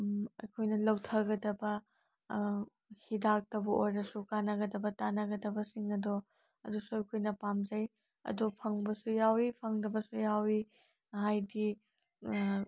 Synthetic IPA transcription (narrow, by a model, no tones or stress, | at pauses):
ɐjkʰojnɐlɐwtʰɐɡɐdɐbɐ | hidak̚tɐwbɐʔojɾɐsukanɐɡɐdɐbɐtanɐɡɐdɐbɐsiŋɐdɔ | ɐdusuɐjkʰojnɐpamzɐj | ɐ̰dopʰɐŋbɐsujawipʰɐŋdɐbɐsujawi | hajdi